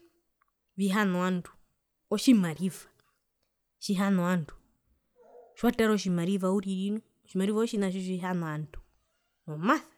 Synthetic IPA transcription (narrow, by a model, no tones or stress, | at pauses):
βiɦanɔandu̥ | ɔʃimaɾivḁ | ʃiɦanɔandu̥ | ʃwatɛɾɔʃimaɾivauɾiɾinɔ | ʃimaɾivaɔʃinaʃ̬iʃiɦanɔantu̥ | ɔmaθḁ